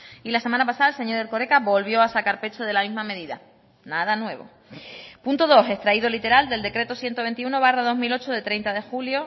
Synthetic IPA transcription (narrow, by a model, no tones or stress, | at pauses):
ilase̞mãnapasaðaelse̞ɲo̞ɾelko̞ɾekaβo̞lβ̞jo̞asakaɾpe̞t͡ʃoð̞e̞lamiɦmame̞ðiða̰ | naðanwe̞β̞o̞̰ | punt̪oðo̞se̞st̪ɾaiðolit̪e̞ɾald̪eld̪e̞kɾe̞t̪osje̞nt̪o̞β̞e̞nt̪iuno̞β̞arað̞o̞ɦmilo̞t͡ʃoðet̪ɾe̞jnt̪aðe̞xuljo̞